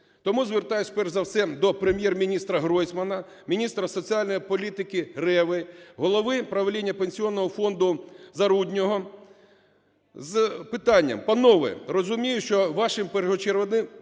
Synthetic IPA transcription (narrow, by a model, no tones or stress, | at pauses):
t̪ɔmuzʋert̪ɑjʊsʲpɛrʒzɐwsɛd̪ɔpɾemʲjɛrmʲinʲist̪ɾɐɦɾɔjsʲmɐnɐ | mʲinʲist̪ɾɐsɔt͡sʲiɑlʲnɔjipɔlʲit̪ɪkɪɾɛʋɪɦɔlˠɔʋɪpɾɐʋelʲinʲːɐpenʲsʲiɔnːɔɦɔfɔnd̪ʊzɐɾudʲnʲɔɦɔ | zpɪt̪ɑnʲːɐ̰mpɐnɔʋɛ̰rɔzʊmʲijʊʃt͡ʃɔʋɑʃɪmpeɾɦɔt͡ʃeɾʋɔnɪm